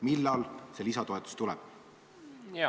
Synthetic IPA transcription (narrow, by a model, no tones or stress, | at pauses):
milːɑlse̞lisɑt̪o̞et̪ːˑu̥st̪ulɛ̰b̥